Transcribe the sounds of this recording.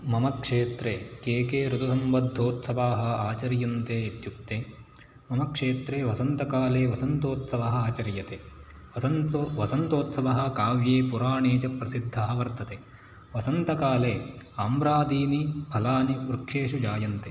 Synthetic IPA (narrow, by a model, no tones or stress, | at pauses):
mɐmɐkʂeːt̪ɾekeːkeːɾut̪ɐsɐmbɐd̪ʱːoːt̪sɐʋaːɦɐ̆aːt͡ʃɐɾjɐnt̪eːit̪juk̚t̪eː | mɐmɐkʂeːt̪ɾeːʋɐsɐnt̪ɐkaːleːʋɐsɐnt̪oːt̪sɐʋɐɦɐ̆aːt͡ʃɐɾjɐt̪e | ɐɐnʋɐsɐnt̪oːt̪sɐʋɐɦɐ̆kaːʋjeːpuɾaːɳeːt͡ʃɐpɾɐsid̪ʱːɐɦɐʋɐɾt̪ɐt̪e | ʋɐsɐnt̪ɐkaːleːaːmɾaːd̪ʱiːnibʱɐlaːniʋɾukʂeːʂud͡ʒaːjɐnt̪e